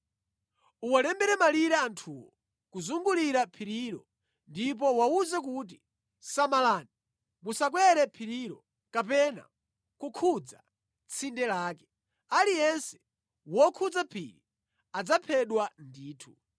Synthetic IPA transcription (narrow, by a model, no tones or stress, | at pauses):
uwalɛmbɛɾɛmaliɾɛantʰuwɔ | kuzuŋɡuliɾapʰiɾiɾɔ̰ | ndip̬ɔwauzɛk̬ut̬i | samalaːni | musak̬wɛɾɛpʰiɾiɾɔ̰ | kap̬ɛna̰ | kukʰud͡za̰ | t͡sʰindɛlaːkɛ̥ | alijɛnsɛ̥ | wɔkʰud͡zapʰḭɾḭ | ad͡zapʰɛɗwandiːtʰu